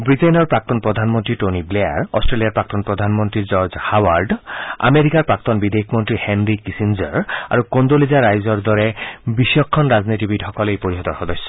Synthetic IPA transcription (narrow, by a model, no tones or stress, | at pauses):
bɹiʈenɔɹpak̚t̪ɔnpɹɔd̪ʱanmɔnt̪ɹiʈoniblea̰ɾɔ̰sʈɹeliaɹpɹak̚t̪ɔnpɹɔd̪ʱanmont̪ɾid͡ʑɔɾd͡ʑhawaɾɖa̰meɾikaɹpɹak̚t̪ɔnbid̪eikʰmɔnt̪ɾihenɾikisind͡ʑɔɹa̰ɾukond̪olizaɾajzɔɹd̪ɔɾɛbiʃjɔkʰːɔnɹaznitibidhɔkɔlejpoɾiɦɔt̪ɔɹxɔd̪ɔsːɔ̥